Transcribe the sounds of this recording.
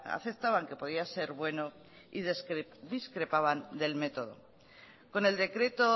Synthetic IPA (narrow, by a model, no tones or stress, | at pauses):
a̰θep̚t̪aβaŋke̞po̞ð̞iase̞ɾβwe̞no̞ | iðsd̪iskɾe̞paβ̞and̪e̞lme̞t̪o̞ðo̞̰ | ko̞ne̞ld̪e̞kɾe̞t̪o̞